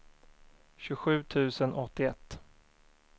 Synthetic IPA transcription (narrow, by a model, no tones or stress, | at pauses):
ɕɵɧʉ̟ːt̪ʰʉ̟ːsənɔt̪ːɪɛt̪ː